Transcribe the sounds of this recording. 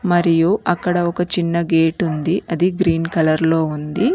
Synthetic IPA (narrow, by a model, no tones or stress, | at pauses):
mɐɾijuʔɐkːɐɽɐɔkɐt͡ʃinːɐɡeːʈund̪iʔɐd̪iɡɾiːnkɐlɐɾlo̞ːund̪i